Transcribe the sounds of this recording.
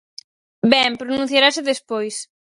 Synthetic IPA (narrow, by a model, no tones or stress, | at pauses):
bɛmpɾonũn̟θjaɾasɪðespojs